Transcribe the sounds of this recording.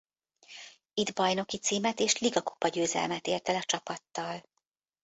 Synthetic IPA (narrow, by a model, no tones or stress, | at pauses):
id̪bɒjno̞kit̪siːmɛt̪eːʃliɡɒku̥pɒɟøːzɛ̰lmɛt̪eːrt̪ɛlɒt͡ʃɒpɒt̪ːɒl